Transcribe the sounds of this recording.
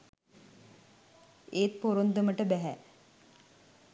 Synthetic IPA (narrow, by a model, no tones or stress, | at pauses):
eːt̪poɾond̪əməʈəbæɦæ